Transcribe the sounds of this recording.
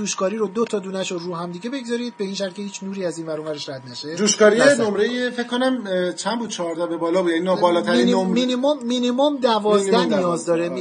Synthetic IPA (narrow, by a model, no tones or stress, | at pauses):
uːʃkɒːɾiɾod̪ot̪ʰɒd̪uːnæʃoruːɦæmd̪iɟe̞be̞ɡzɒːɾiːd̪̚be̞iːnʃ̬æɾt̪̚cʰe̞hiːt͡ʃʰnuːɾiːæzinvæɾoːvæɾeʃɾæd̪næʃed̪uːʃkɒːɾienomɾejefecʰːonæmt͡ʃʰænbuːd̪̚t͡ʃʰɒɾd̪æbebɒːlɒːbud̪jæninbɒlɒːt̪ʰæɾinominimomːinimomd̪ævɒːzndæhnijɒːzd̪ɒːɾem